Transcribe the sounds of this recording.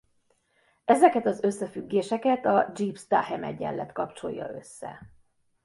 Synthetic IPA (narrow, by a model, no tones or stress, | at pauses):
ɛzɛkɛt̪ɒzø̞sːɛfyɡːeːʃɛkɛt̪ɒd͡ʒiːpst̪a̰ːhɛmɛɟɛ̰lːɛt̪kɒpt͡ʃo̞̰jːɒ̰ø̞̰sːɛ̰